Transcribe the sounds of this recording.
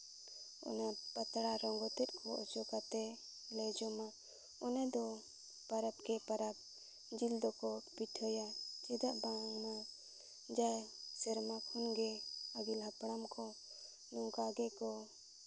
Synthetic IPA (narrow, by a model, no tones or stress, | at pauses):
ɔ̰napət̪ɽaɾɔŋɡɔt̪ɛt̪̚ˀkʰɔɔt͡ʃɔkat̪ɛ | lɛd͡ʒɔma | ɔnad̪ɔ | pəɾapkɛpaɾab̚ | d͡ʒild̪ɔkɔpit̪ʰɔjat͡ʃɛd̪aʔbãŋna | d͡ʒajsɛɾmakʰhunɡɛəɡilɦapɽ̃amkɔ | nukaɡɛkɔ